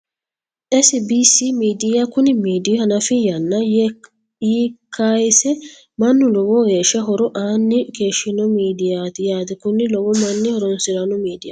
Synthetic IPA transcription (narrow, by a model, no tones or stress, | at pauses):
ʔɛsɪbiːsimiːd̪ɪjakʊnɪmiːd̪ɪjhɐnɐfɪjɐnːɐj | jiːkʰːajsɛ | mɐnːʊlɔwɔɡeːʃːɐɦɔɾɔʔaːnːɪkeːʃːɪnɔmiːd̪ɪjat̪ɪjaːt̪ɪkʊnːɪlɔwɔmɐnːɪhɔɾɔnsɪɾɐnɔmiːd̪ɪjɐ̰